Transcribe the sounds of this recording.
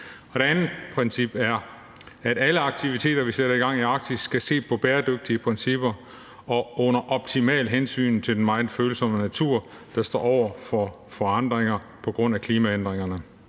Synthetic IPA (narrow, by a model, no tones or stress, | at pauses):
ɒ̽d̥e̝ænð̩ˠpʰʁɛnsib̥æɐ | æɾ̥æləɑ̈ɡ̥̚t͡sʰiʋit͡sʰe̝̰ːd̥ɐʋiseɾ̥ɐiɡ̥ɑ̈ŋ̰iɑ̈ɡ̥̚d̥ʰisɡ̥æse̝̰ːpʰɒ̽b̥eːɐd̥øɡ̥̚d̥iəpʰʁɛnsib̥ɐ | ɒ̽ɔ̽nɐʔɒ̽b̥̚t͡sʰimɛ̰ːlɦensy̰ːnt͡sʰe̝ldenmɑ̈ɪnføːl̩sɒ̽mənæt͡sʰuɐ̰ | d̥ɑ̈sd̥ɔ̰ːɒʊ̰ɐfɒ | fɒ̽ɑ̈n̰d̥ʁeŋɐ | pʰɒ̽ɡ̥ʁɔ̽n̰ækʰliːmæend̥ʁeŋɐnə